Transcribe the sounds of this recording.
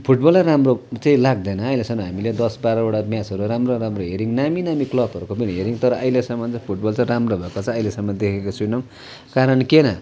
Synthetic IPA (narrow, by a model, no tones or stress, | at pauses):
pʰuʈbʌlːaramrot͡saĩlaɡ̚d̪ʌjnʌʌjlesʌmʌɦamiled̪ʌsbaɾʌoɽamjat͡sʌɾuɾamroɾamroɦeɾiŋnaminamiklʌbʌɾukopiniɦeɾiŋt̪ʌɾʌʔʌjlesʌmʌnt͡sʌ̃pʰuʈbʌlt͡sʌ̃ɾamrobʱʌekot͡sʰʌ̃ʌjlesʌmːʌd̪ekʰekot͡sʰunʌw | kaɾʌnkenʌ